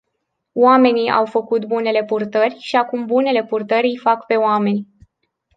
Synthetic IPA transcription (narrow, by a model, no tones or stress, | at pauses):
oame̞nia̰wfəkut̪bune̞le̞purt̪ərʲʃiakumbune̞le̞purt̪əɾʲifakpe̞oame̞nʲ